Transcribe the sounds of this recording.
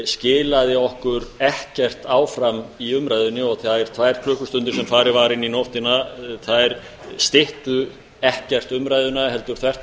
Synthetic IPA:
scɪːlaðɪɔhkʏɾɛhcɛr̥t̪aːwfɾamiʏmɾaːjðʏnːɪɔɣθaðɛɾ̥t̪ʰvajɾ̥kʰlœːhkʏst̪ʏnt̪ɪɾ̥sɛmfaːɾɪvaːɾɪnːinowht̪ɪnaθaðɛɾ | st̪ɪht̪ʏ | ɛhcɛr̥t̪ʏmɾaːjðʏnaɦɛl̪t̪ʏɾ̥θʰvɛr̥t̪

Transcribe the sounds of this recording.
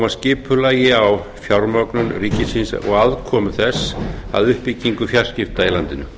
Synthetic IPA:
mascɪːpʏlaːjɪawfjawɾmœknʏnriːcɪsinsɔ̰ɣaðkʰɔːmʏθɛsa̰ðʏhpicːiŋkʏfjar̥scɪft̪ailant̪ɪnʏ

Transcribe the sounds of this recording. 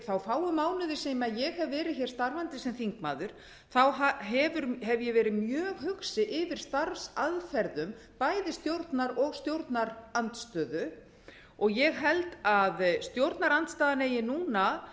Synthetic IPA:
θawfaːwʏmaːwnʏðɪseːjmaðjɛɣhɛvvɛːɾɪðçɛɾ̥st̪aɾvant̪ɪsɛmθiŋkma̰ːðʏɾ̥ | θawɦaɦɛvʏɾɦɛvjɛɣvɛːɾɪmjœːɣɦʏxsɪʔɪvɪɾ̥st̪aɾfsaðfɛɾðʏm | paːjðɪst̪jowɾt̪naɾɔɣst̪jowɾt̪naɾant̪st̪œːðʏ | ɔɣjɛɣɦɛlt̪aðst̪jowɾt̪naɾant̪st̪aːðaneːjɪnuːna

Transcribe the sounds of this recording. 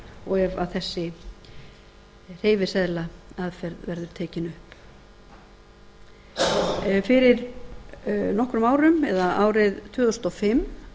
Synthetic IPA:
ɔɣɛva̰ðθɛsːɪ | r̥eːjvɪsɛðlaaðfɛɾðvɛɾðʏɾ̥t̪ʰɛːcɪnʏhp | fɪɾɪɾ | nɔhkɾʏmaːwɾʏmɛðaaːwɾɪðt̪ʰvʏːðʏst̪ɔfɪm

